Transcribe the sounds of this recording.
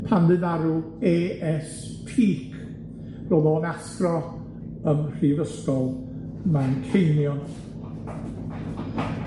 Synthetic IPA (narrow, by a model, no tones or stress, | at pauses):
pʰanðɨðaɾu | eːɛs | pʰiːkʰ | roːðoːnastrɔ | əmr̥ivəskɔlˠ | mankʰejnjɔn